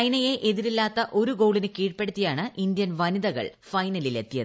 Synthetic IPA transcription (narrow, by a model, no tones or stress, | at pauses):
ɐjnɐjeʔeðiɾilːaːt̪ːɐʔo̞ɾuɡo̞ːɭinɨkiːʈpeɽut̪ːijaːɳɨʔind̪jɐnʋɐniðɐɣɐ̰ɭfɐjnɐlile̞t̪ːijɐðɨ